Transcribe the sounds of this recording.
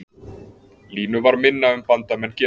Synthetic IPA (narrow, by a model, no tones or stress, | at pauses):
liːnʏvaɾmɪnːaʏmpant̪amɛncɛː